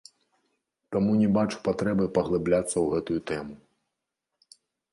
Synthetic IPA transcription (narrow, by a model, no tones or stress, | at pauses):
t̪amunʲɛbat͡ʂu̥pat̪ɾɛbɨpɐɣlˠɨblʲat̪sːɐwɣɛt̪ujut̪ɛmu